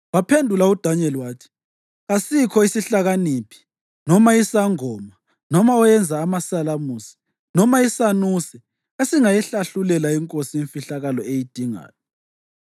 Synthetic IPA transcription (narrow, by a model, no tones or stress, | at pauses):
wapʰendʱulaud̥ʱaɲɛliwaːtʰi̥ | ɣasikʰɔisiɬaɣanipʰi̥ | nɔmaisaŋɔːma | nɔmaɔjɛnd͡zʱaːmasalamusi̥ | nɔmaisanuːsɛ | esiŋajɛɬaɬulɛlaiŋkʼosiiɱfiɬaɣalɔejid̥ʱiŋa̰ːjɔ